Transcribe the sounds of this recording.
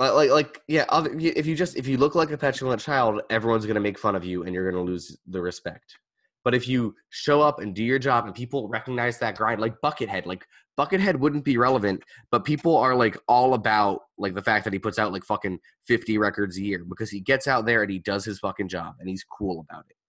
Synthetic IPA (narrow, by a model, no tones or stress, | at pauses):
alaɪklaɪkjæʔɑvjɨʔɨfjɨd͡ʒʌstɨfjɨlʊklaɪkɨpʰɛt͡ʃəl̩ˠə̃nt͡ʃʰaɪlˠdɛvɹiwʌ̃nzɡʌñɨmeɪkfʌ̃nʌvjʉɨ̃njə˞ɡʌnəlʉzðɨɹɨspɛk̚t̚ | b̥ʌɾɨfjɨ | ʃoʊʌpɨ̃ndɨjə˞d͡ʒɑbɨ̃npʰipl̩ˠɹɛkɨɡ̚naɪzðɨt̚ɡ̥ɹãɪ̃ndlaɪk̚b̥ʌkɨt̚ɦɛd̥ˡlaɪk | b̥ʌkɨt̚ɦɛd̚wʊdⁿn̩b̥iɹɛlˠəvɨ̃ntb̥ʌt̚pʰipl̩ˠə˞laɪkɔlˠəbaʊt̚laɪk̚ðəfæk̚ðɨt̚hipʊtsaʊt̚ˡlaɪkfʌkɨ̃ŋ | fɪftiɹɛkə˞dzɨjɪɹbɨkʰʌz̥iɡɛtsaʊt̪̚ðə˞ɨ̃nidʌz̥ɨz̥fʌkɨ̃ŋd͡ʒɑ̰bɨ̃niz̥kʰulˠəbaʊɾɨt̚